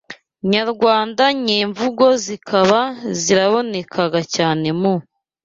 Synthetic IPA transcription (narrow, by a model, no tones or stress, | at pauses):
ɲaɾɡwaːndaɲiːɱvuɡo̞zikʰaβaziɾaβo̞ne̞kʰaɡacaːne̞mo